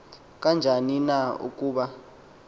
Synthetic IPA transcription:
k̬ʼand͡ʒʱaninaṵk̬ʼuːɓa

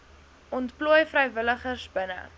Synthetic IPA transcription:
ɔntpluəjfrəjvələχərsbənə̰

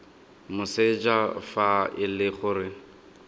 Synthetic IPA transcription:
mʊsed͡ʒafaɪlɪχʊːrɪ

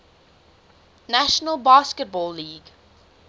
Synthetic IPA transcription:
næʃənəlˠbɑːskət̚bɔːlːiːɡ

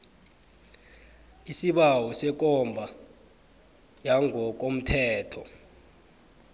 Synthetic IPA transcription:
isiɓawɔsɛk̬ʼɔmbʱa | jaŋʱɔk̬ʼom̩tʰɛːtʰɔ

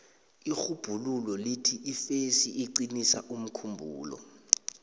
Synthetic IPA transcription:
ixub̥ʱululɔlitʰiʔifesiʔiǀinisa̰ʔum̩kʰumbʱṵːlɔ̰

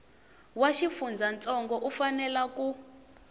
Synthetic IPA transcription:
waʃifund͡zʱant͡sʼɔŋɡɔʔufanɛlaku

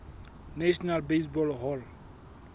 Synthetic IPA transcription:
naʃɔnalbes̬bɔlɦɔl

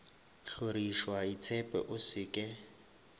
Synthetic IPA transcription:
ɬoɾiʃwait͡sʰɛpʼɛ̰ʔʊsɪkʼɛ

